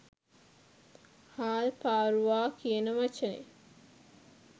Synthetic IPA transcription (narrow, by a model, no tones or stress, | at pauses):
haːlpaːɾuʋaːkʰijənəʋat͡ʃənḛ